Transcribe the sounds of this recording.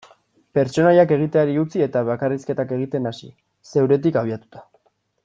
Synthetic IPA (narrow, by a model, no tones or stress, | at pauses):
pe̞ɾt͡ʃo̞najake̞ɣ̞it̪e̞aɾiut͡sie̞t̪aβakariske̞t̪ake̞ɣ̞it̪e̞nasḭ | se̞wɾe̞t̪̬ikaβ̞iat̪u̥t̪ḁ